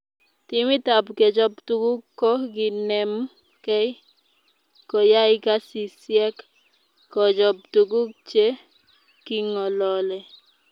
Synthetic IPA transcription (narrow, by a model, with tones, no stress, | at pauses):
tɪ˦mi˦ta˨bkɛ˨d͡ʒɔ˦ptu˦ɡu˦kkːɔ˦ɡi˨nɛ˨m | kɛ˦ɪ˦ | kɔ˨ja˦ɪ˦ka˦si˨sjɛ˦kː | ɔ˨d͡ʒɔ˨p̚tu˨ɡu˦k̚t͡ʃe˦ | ki˦ŋɔ˨lɔ˨lɛ˨